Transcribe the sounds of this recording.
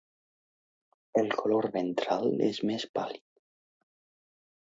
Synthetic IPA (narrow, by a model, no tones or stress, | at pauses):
elˠkʰoloɾβent̪ɾalḛzmespalið